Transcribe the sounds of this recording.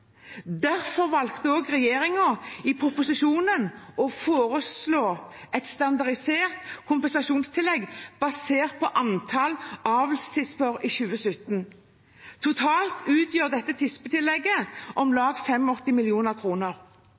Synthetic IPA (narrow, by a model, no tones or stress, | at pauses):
d̪æʁfɔʁʋɑlkt̪əoːɡʁɛjeːʁɪŋəɪpʰɾʊpʊsɪʃuːnənʔɔfoːʁəsloːʔɛt̪st̪ɑnd̪ɑʁɪseːʁt̪kʰʊmpɛnsɑʃuːnst̪ʰɪlːɛɡb̥ɑseːʁt̪̚pʰɔʔɑnt̪ʰɑlɑːʋlst̪ʰɪspəɾɪçʉːəsʏt̪n̩ | t̪ʰʊt̪ʰɑːlt̪ʉːt̪ʰjøːʁd̪ɛt̪ːət̪ʰɪspət̪ʰɪlːɛɡːəʔɔmlɑːɡfɛmːɔt̪ːɪmɪljuːnəʁkʰʁuːnəʁ